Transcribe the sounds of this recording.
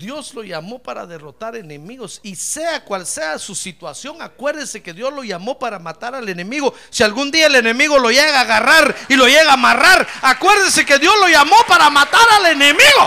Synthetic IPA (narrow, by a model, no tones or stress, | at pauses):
d̪jo̞zlo̞ʝamo̞paɾa̰ðe̞ro̞t̪aɾe̞nemiɣo̞sise̞akwalse̞asusit̪wasjo̞ŋakwe̞ɾðese̞ke̞ðjo̞zlo̞ʝamo̞paɾamat̪aɾale̞ne̞miɣo̞ | sialɣund̪iaele̞ne̞miɣo̞lo̞ʝeɣaːɣaraɾilo̞jeɣaːmaraɾakwe̞ɾðese̞ke̞ðjo̞zlo̞ʝamo̞paɾamat̪aɾale̞nemiɣo